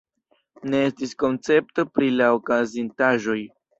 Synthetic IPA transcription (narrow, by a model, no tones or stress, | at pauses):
ne̞estisko̞nt͡se̞p̚to̞pɾilaokazintaʒo̞j